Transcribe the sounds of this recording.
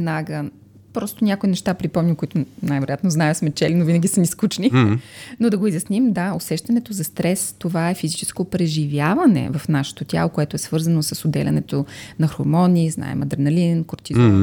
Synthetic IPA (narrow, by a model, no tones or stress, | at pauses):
ɛd̪naɡə | pɾɔst̪onʲjakoinɛʃt̪apɾipɔmnʲimkoit̪onajvɛɾojat̪noznajɛsmɛt͡ʃɛlinovinɐɡʲisəmiskut͡ʃninod̪ɐɡoizjɐsnimd̪aosɛʃt̪ɐnɛt̪ozɐst̪ɾɛst̪ovaɛfizit͡ʃɛ̥skopɾɛʒivʲjavɐnɛ̰vɐfnaʃɛ̥t̪ot̪ʲja̰lˠokoɛt̪oɛsvɤɾzɐnosəsod̪ɛ̰lʲʔɐ̰nɛt̪onɐxoɾmɔnizna̰ɛ̰mɐd̪ɛɾnɐlinkoɾt̪izo